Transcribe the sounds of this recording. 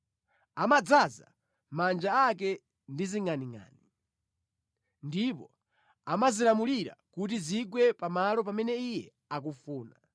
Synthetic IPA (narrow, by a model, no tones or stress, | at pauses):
amad͡zaza̰ | mand͡ʒaak̬ɛ | ndiziŋaniŋa̰ːni | ndipɔ | amazilamuliɾa̰kut̬iziɡwɛpamalɔp̬amɛnɛijɛ | akufuːna